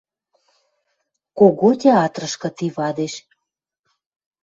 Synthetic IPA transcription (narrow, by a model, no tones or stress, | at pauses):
koɣot̪ʲeɑt̪rə̆ʃkɤ̆t̪iβɑd̪eʃ